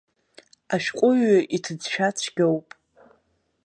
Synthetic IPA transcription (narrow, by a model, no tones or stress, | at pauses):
aʃᶣqʷʼʊɥaʔitʰɨd͡zʃᶣat͡sʷʰɡʲowpʼ